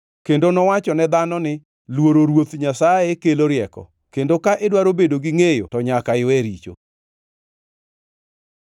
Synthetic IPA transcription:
kendonɔwat͡ʃɔnɛd̪anɔnɪ | lwoɾoɾwot̪ɲasajɛkeloɾjɛkɔ̰ | kendokaʔɪdwaɾobedoɡɪŋejo̰tɔɲakaɪɛɾit͡ʃo̰

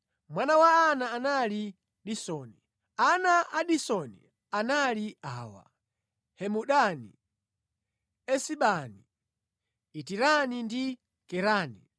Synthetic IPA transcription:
mwanawaːnaːnali | ɗisɔni | anaʔaɗisɔnḭ | analiaːwa̰ | hɛmuɗanḭ | ɛsiɓaniː | tiɾanindi | kɛɾaːni

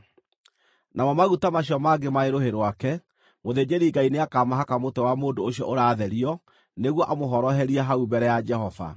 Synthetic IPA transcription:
namɔmaɣutamaɕiɔmaɡemaeɾoheɾwakɛ | moðeːd͡ʒeɾiːɡaineakamaɦakamotɛwamoːndoːɕjɔ̰ʔoɾaːðɛɾiɔ | neɣwɔʔamoɦɔɾɔɦɛɾiaɦaubɛɾɛjad͡ʒɛɦɔva̰

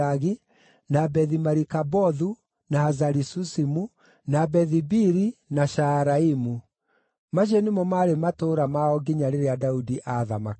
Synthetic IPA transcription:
aɣi | nabɛðimaɾikabɔðu | naazaɾisusimu | nabɛðibiɾinaʃaɾaimu | maʃ̬enemɔmaɾematoɾamaɔɡiɲaɾeɾeadaudiʔaðama̰

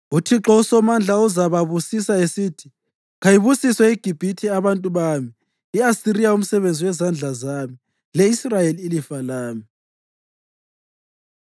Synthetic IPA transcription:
utʰiǁɔusɔmand͡ɮʱauzaβaβusisaesiːtʰi̥ | ɣajiβusiswɛiɡ̥ʱib̥ʱitʰiaβantʼuβami | iasiɾijaum̩sɛβend͡zʱiwɛzand͡ɮʱazami | lɛisrajeliilifalaːmi

